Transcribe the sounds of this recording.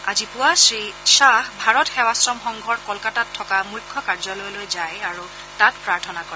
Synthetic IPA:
a̰zipʊwasɹisaxbʱaɹɔtxɛwasɹɔmxɔŋɡʱɔɹkɔlkatatʰːɔkamuɹkʰːɔkaɹzɔlojlojzajaɹu | tatpɹaɹtʰɔnakɔɹɛ

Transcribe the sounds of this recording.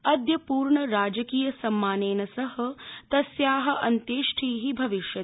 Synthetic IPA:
ɐd̪jɐpuːɾɳɐɾaːd͡ʒɐkiːjɐsɐmːaːneːnɐsɐɦɐt̪ɐsjaːɦɐ̆ʔɐnt̪eːʃʈʰiːɦibʱɐʋiʃjɐ

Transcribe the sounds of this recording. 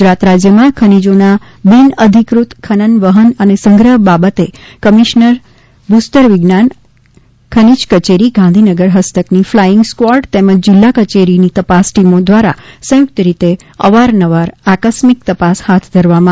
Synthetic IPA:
ɡɾat̪ɾad͡ʒjəmãkʰənid͡ʒona | binəd̪ʱikɾut̪kʰənənʋəɦənənesə̃ŋɡɾəɦbabət̪ekəmiʃnəɾ | bust̪əɾʋɪɡnan | kʰənid͡ʒkət͡ʃeɾiɡãnd̪ʱinəɡəɾɦəst̪əkniflajɪŋɡskwaɾɖt̪eməd͡ʒd͡ʒɪlːakət͡ʃeɾinit̪əpasʈimod̪ʋaɾasə̃juk̚t̪əɾit̪e | ə̰ʋaɾnəʋaɾakəsmik̚t̪əpashat̪ʰd̪ʱəɾʋamã

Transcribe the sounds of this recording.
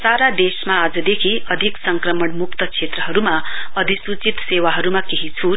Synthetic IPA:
saɾad̪esmaːd͡zʌd̪ekʰiʌd̪ʱiksʌŋkrʌmʌɳmuk̚t̪ʌt͡sʰet̪rʌɦʌɾumaʌd̪ʱisut͡sit̪sewaɦʌɾumakeɦit͡sʰu

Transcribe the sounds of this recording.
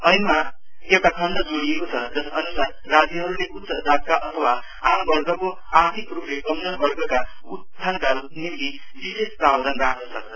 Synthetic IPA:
ʌjma | ewʈakʰʌnd̪ʌd͡zoɽiekot͡sʰʌd͡zʌsʌnusarːad͡ziɦʌɾuleʔut̪sʌd͡zʱak̚kaʔʌt̪ʰʌwa | ambʌrɡʌko | art̪ʰikruplekʌmnʌnbʌrɡʌka | utt͡sːsʰankalnimt̪i | bisest̪awd͡zʌnrakʰnʌsʌk̚t͡sʰʌ

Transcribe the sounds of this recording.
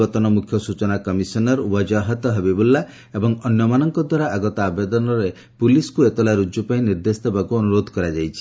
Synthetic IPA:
ɔt̪ɔnɔmukʰjɔsut͡ʃɔnakɔmisɔnɔɾupɔd͡ʒaɦɔt̪ɔɦebibulːa | ebɔŋɔnjɔmanɔŋkɔd̪ʱwaɾaʔaɡɔt̪ɔabed̪ɔnɔɾe | puliskuet̪ɔlaɾud͡ʒupaĩniɾd̪esd̪ʱebakuɔnuɾod̪ʱɔkɔɾad͡ʒajt͡ʃʰi̥

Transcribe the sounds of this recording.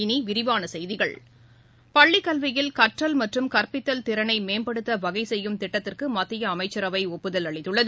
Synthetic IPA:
ɪniʋɪɾɪʋaːnɐsɛjðɪɣɐɭ | pɐɭːɪkːɐlʋɪjɪlkɐʈrɐlmɐʈrɯmkɐrpɪt̪ːɐlt̪ɪɾɐnɐɪmeːmbɐɽɯt̪ːɐʋɐɣɐɪsɛjːɯmt̪ɪʈːɐt̪ːɪrkɯmɐt̪ːɪjɐːmɐɪt͡ʃːɐɾɐʋɐɪɔpːɯðɐlɐɭɪt̪ːɯɭːɐð

